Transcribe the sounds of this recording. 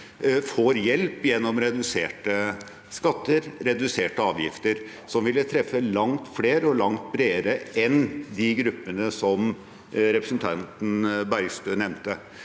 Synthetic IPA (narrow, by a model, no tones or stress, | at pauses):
foːɾjɛlpjɛnːɔmɾɛd̪ʉseːʈə | skɑt̪ːəɾɾɛd̪ʉseːʈəɑːʋjɪ̰ft̪əɾ | sɔmʋɪlːət̪ʰɾɛfːəlɑŋt̪fleːɾəɔlɑŋt̪̚bɾeːəɾəɛnd̪ɪɡɾʉpːənəsɔm | ɾɛpɾəsnt̪ʰɑnt̪nbæɾɡst̪øːnɛmnt̪ə